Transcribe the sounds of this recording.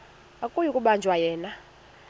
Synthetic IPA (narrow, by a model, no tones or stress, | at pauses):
akʼujukʼuɓand͡ʒʱwajɛːna